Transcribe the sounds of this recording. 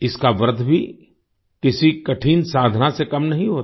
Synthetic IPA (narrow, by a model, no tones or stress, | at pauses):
ɪskaʋəɾd̪ʱbʱi | kɪsikɐʈʰiːnsaːd̪ʱnasekɐmnɐɦĩɦoːt̪